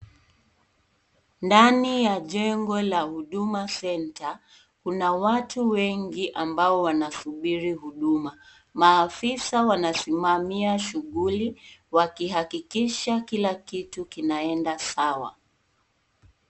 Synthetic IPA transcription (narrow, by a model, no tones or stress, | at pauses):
ndanijaʄɛŋɡɔlahuɗumasɛnta | kunawatʰuwɛŋɡiʔambaɔwanasuɓiɾiɦuɗuma | maːfisawanasimamiaʃuɠuliwakiɦakikiʃakilakitukinaɛndasawa̰